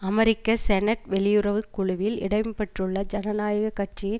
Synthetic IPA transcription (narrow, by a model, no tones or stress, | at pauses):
ɐmɛɾɪkːɐsɛnɐʈʋɛɭɪjɯɾɐʋɯkːʊɻʊʋɪlɪɽɐɪmpɐʈrɯɭːɐd͡ʒɐnɐnaːjɐɣɐkːɐʈ̚t͡ʃɪjɪn